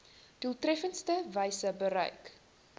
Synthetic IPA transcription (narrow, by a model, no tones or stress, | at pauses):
d̥ulˠtrɛfənstəvəjsəbəɾœ̰ɥk